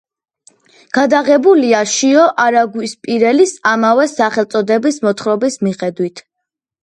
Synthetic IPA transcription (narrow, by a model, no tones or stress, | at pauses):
ɡ̥ad̪aʁɛbuliaʃiɔʔaɾaɡwispʼiɾɛlisamavɛsaχɛlˠt̪sʼɔd̪ɛbismɔt̪ʰχɾɔbismiχɛd̪wit̪ʰ